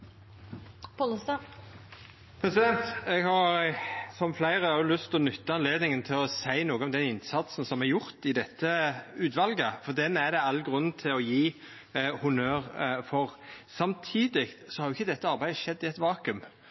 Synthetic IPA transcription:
pɔləst̪ɑ | pʰɾɛsɪd̪ɛnt̪ɛɡhɑɾsɔmflæɪʁəʊlʉst̪ɔnʉt̪ːəɑnleːd̪nɪŋənt̪ʰɪlɔsæɪnoːɡəɔmd̪ɛnɪnsɑt̪sn̩sɔmɛjʊʁt̪ɪd̪ɛt̪ːəʉːt̪ʋɑlɡəfɔʁd̪ɛnæd̪ɛɑlːɡʁʉnːn̩t̪ʰɪlɔjiː | hʊnøːʁfɔʁsɑmt̪ʰiːd̪ɪkt̪sɔhɑɾjʊɪçːəd̪ɛt̪ːəɑɾbæɪd̪əʃɛd̪ːɪɛt̪ʋɑːkʉm

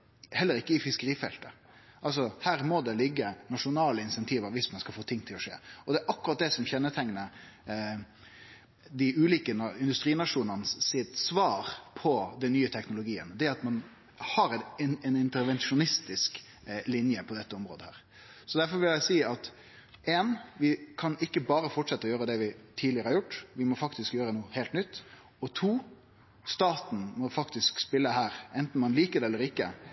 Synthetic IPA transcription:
hɛlːəɾɪkːəɪfɪskəɾiːfɛ̰lt̪ə | ʔɑls̬ɔhæːɾmɔd̪ɛlɪɡːənɑʂʊnɑːləɪnsɛnt̪ʰiːʋɑʋɪsmɑnskɑlfoːt̪ʰɪŋːt̪ʰɪlɔʂḛːɔd̪ɛæʔɑkːʊɾɑt̪̚d̪ɛsɔmçɛnːət̪ʰɛŋnə | d̪ɪʉːliːkənɪnd̪ʉst̪ɾiːnɑʂuːnənəssɪt̪sʋɑːɾpʰɔd̪ɛnːyːət̪ʰɛknʊlʊɡiːə̰nd̪ɛɑt̪mɑn | hɑɾɪnnɪnt̪əɾʋɛnʂʊnɪst̪ɪsk | lɪnjəpʰɔd̪ɛt̪ːəɔmɾo̰ːd̪əhæ̰ːɾ | sɔd̪æɾfɔɾʋɪljæɪsiːɑt̪ | ʔeːnʋɪkʰɑnɪkːəbɑːɾəfɔʈʂɛt̪ːəɔjøːɾəd̪ɛʋɪt̪ʰiːd̪ɪəɾəhɑɾjʊʈːʋɪmɔfɑkt̪ɪskjøːɾənuːheːlt̪nʏt̪ː | ɔt̪ʰuː | st̪ɑːt̪n̩mɔfɑkt̪ɪskspɪlːəɦæːɾɛnt̪n̩mɑnliːkəd̪ɛɛlːəɾɪkːə̰

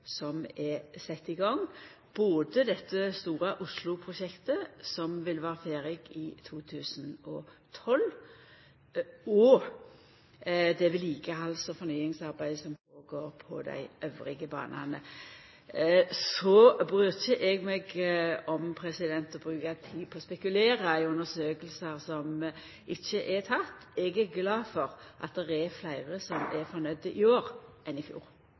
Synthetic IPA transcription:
sɔmɛsɛt̪ːɪɡɑŋ | b̥oːd̪əd̪ɛt̪ːəst̪uːɾəʔʊslʊpʰɾʊʃɛkt̪əsɔmʋɪlʋæːɾəfeːɾɪɡɪt̪ʰuːt̪ʰʉːsənɔt̪ʰɔl | ɔ | d̪ɛʋɪliːkəɑlsɔfɔnyːɪŋsɑɾbæɪsɔmfʰoːɡoːɾpʰɔ̰d̪æ̰ɪʔøʋɾɪɡəbɑ̰ːnʔɑ̰nə | sɔbɾʉːçəʔɛɡmɛɡɔmpʰɾɛsɪd̪ɛnt̪ɔbɾʉːkɑt̪ʰiːpʰɔːspɛkʉleːɾəæɪʉnəsøːkəlsəɾsɔm | ɪçːəʔɛt̪ʰɑt̪ːɛɡæɡlɑːfɔɾʔɑ̰t̪̚d̪ɛʁɛɾflæɪʁəsɔmɛfɔɾnœd̪ːəʔɪoːɾʔɛnɪfjṵːɾ

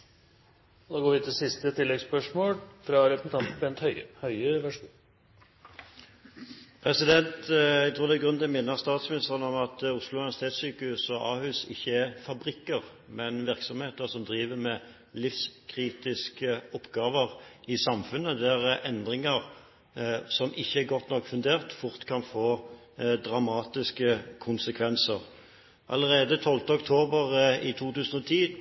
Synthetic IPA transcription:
d̪ɑːɡoːɾʋt̪ʰːɪsɪst̪ət̪ʰɪlːɛɡspœʂmoːlfɾɑɾɛpəsn̩ɑnt̪pɛent̪hœʏhœʏəʋæʂu | pʰʁɛsɪd̪ɛnt̪æɡt̪ʰɾuːd̪ɛæɡʁʉnd̪əmɪnːəʁst̪ɑːt̪smɪnɪst̪əʁənɔmɑt̪ʊslʊʋæsɪ̥t̪ʰeːt̪syːkəhʉsɔʔɑːhʉːsɪ̰çːəæʁfɑbʁɪkːəʁ | mɛnʋɪʁksɔmheːt̪əsɔmd̪ʁiːʋəmɛ | lɪfskʰʁiːt̪ɪskəɔpːɡɑːʋəʁɪsɑmfʉnːəd̪æɾɛnd̪ʁɪŋəɾ | sɔmɪçːəɛɡɔt̪nɔkːfʉnd̪eːʁt̪fʊʁt̪kʰɑnfoː | d̪ʁɑmɑːt̪ɪskəkʰʊnsəkʰʋɛnsəʁ | ʔɑ̰ləʁeːd̪ət̪ʰɔlt̪əɔkt̪ʰoːbəʁɪt̪ʰuːt̪ʉːsənɔt̪ʰiː

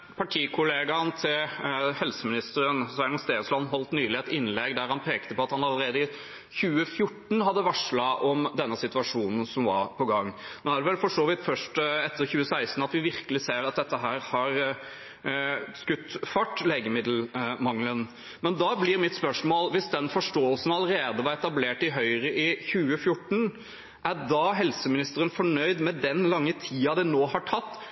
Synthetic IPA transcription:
pʰɑʈʰiːkʰʊleːɡɑnt̪ʰɪlhɛlsəmɪnɪst̪əɾənsæɪnɑst̪eːslɔnːɦɔlt̪nyːlɪɛt̪ɪnlɛɡd̪æɾhɑnpʰeːkt̪əpɔɑt̪hɑnɑləɾeːd̪əɪ | çʉːəfjʊʈːɳ̩ɦɑd̪ːəʋɑʂɭɑʔɔmd̪ɛnːəsɪt̪ʉɑʂuːnn̩sɔmʋɑ̰ɾpʰɔɡɑŋːnoːæɖɛʋɛlfɔʂoːʋɪt̪fœʂʈɛt̪ːəɾçʉːəsæɪst̪n̩ɑt̪ʋɪʋɪɾkəlɪseːɾɑt̪̚d̪ɛt̪ːəɦæːɾhɑɾ | skʉt̪ːfɑʈːleːɡəmɪd̪l̩mɑŋlən | mɛnd̪ɑːblɪɾmɪt̪spœʂmoːlʋɪsd̪ɛnfɔʂʈoːəlsən̩ɑləɾeːd̪əʋɑɾɛt̪ɑbleːʈɪɦœʏɾəʔɪçʉːəfjʊʈːɳ̩ | ʔæɖɑɦɛlsəmɪnɪst̪əɾənfɔɳœʏd̪mɛd̪ɛnlɑŋːət̪ʰiːɑd̪ɛnoːhɑʈʰɑt̪ː

